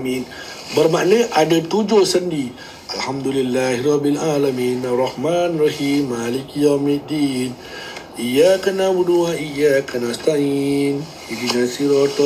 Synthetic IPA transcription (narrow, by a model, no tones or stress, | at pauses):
min | bərmaʔleʔadat̪ud͡ʒosəndi | ʔalhamd̪ulilːahiɾɔbːilalaminarˤːɑhmanrɑɦiːmːalikjawmid̪in | ʔijakanabuduwaʔijakanast̪ainhid͡ʒinasiɾɔt̪